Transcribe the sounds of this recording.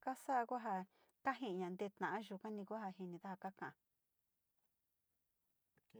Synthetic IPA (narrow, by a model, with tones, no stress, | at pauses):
ka˦sa˦˧kʷa˦ɦa˧ | ka˦ɦĩ˧˨ɲã˨nd̪e˧˦t̪ã˨ʔã˦ʒu˧˨kã˦nĩ˧kʷa˦ha˧ɦi˧nĩ˧ða˦ha˧ka˦kã˨ʔã˧